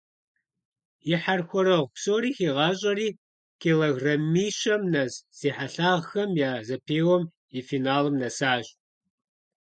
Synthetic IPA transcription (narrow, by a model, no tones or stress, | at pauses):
jɪħarxʷɔɾɐʁʷpsoːɾiːxeːʁɑːɕʼɐriː | kʰeːlɐɣrɐmiːɕɐmnɐzz̥iːħaɬaːʁxɐmjaːzɐpʰeːwɔm | ifiːnaːlɨmnɐsaːɕʼ